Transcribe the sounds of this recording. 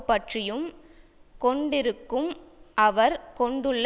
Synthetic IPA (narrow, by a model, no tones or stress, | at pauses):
pːɐʈrɪjɯm | kɔɳɖɪɾɯkːɯmʔɐʋɐɾkɔɳɖɯɭː